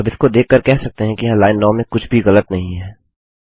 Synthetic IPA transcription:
ɐbɪskod̪eːkːəɾkɛɦsɐk̚t̪eɦɛ̃kijɐɦãlaːɪnːɔːmẽkʊt͡ʃʰbʱiɣɐlət̪nɐɦĩɦɛː

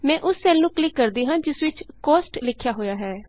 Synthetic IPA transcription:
mɛ̃ːʔʊsːɛːlnũːklɪkːəɾd̪iːɦãːd͡ʒɪsʋɪt͡ʃkɔːsʈlɪkʰːjaːɦoːjaːɦɛː

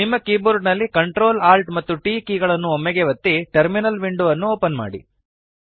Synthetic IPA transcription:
nimːɐkiːbuɾɡnɐlːikɐɳʈɾoːlaːlʈmɐt̪ːuʈiːkiːɡɐɭɐnːuɔmːɛɡeʋɐt̪ːiʈɐɾminɐlʋiɳɖuʋɐnːuoːpɐnma̰ːɽḭ

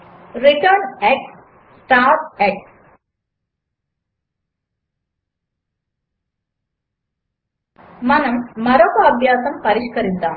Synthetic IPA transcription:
riʈɐrɳɖeːk̚ʈ | sʈaːreːk̚ʈ | mɐnɐmːɐɾokːɐɐbʱjaːsɐmpɐɾiɕkɐɾit̪ːaː

